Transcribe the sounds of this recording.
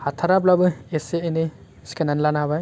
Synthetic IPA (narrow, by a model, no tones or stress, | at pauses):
hat̪ʰaɾap̬labɯeseeni | skʰananlanabaj